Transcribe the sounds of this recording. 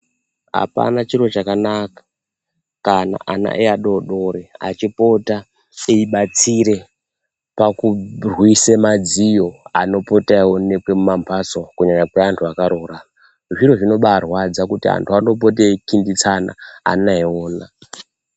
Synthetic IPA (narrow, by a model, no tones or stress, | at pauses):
ɦa̰pa̰nat͡ʃiro̞t͡ʃakanakḁ | kana̰ʔana̰ʔeaɗoɗo̞ɾea̰t͡ʃipo̞ta | eiɓat͡siɾe̞ | pakurwisemad͡zijo̞a̰no̞po̞taone̞kwemumambʰʱasokuɲaɲakweantʰuakaɾora | ʐiroʐino̞ɓaːrwad͡zakutia̰ntʰuano̞p̬otekindit͡sana̰a̰naioːna